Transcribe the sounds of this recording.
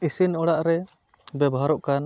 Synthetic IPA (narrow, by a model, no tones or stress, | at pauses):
isinɔɽaʔɾɛ | bɛbɔɦaɾɔʔkan